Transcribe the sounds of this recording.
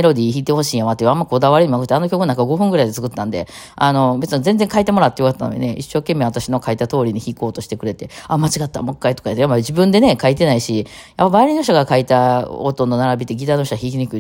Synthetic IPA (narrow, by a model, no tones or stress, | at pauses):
eɾo̞d̪ʲiːçiːt̪eho̞ɕiːjamat̪ːeɯamːaiko̞d̪aβaɾeɲimakɯ̟t̪ːeano̞kʲokɯnaŋkaɡo̞ɸɯ̟̃ŋɡɯɾaid̪et͡sɨ̥kɯ̟t̪ːãnd̪e̞̰ | ano̞be̞t͡sɨnozẽ̞nd͡zẽŋkait̪e̞mo̞ɾat̪ːejokat̪ːano̰ɲḭneʔiɕːo̞ːke̞mːe̞βat̪aɕino̞kait̪at̪o̞ːɾʲiɲ̟içiko̞ːt̪o̞ɕi̥t̪e̞kɯ̟ɾe̞t̪e̞amat͡ɕiɡat̪ːa̰mo̞kːait̪okaet̪ːjamːaid͡ʑibɯ̟̃nd̪e̞ne̞kait̪e̞naiɕi | japːabaːɾʲino̞ɕ̬t̪oɡakait̪aot̪o̞nːo̞naɾabʲit̪ːe̞ɡʲit̪aːno̞ɕtoɡaçiːt̪̬eɲ̟ikɯ̟i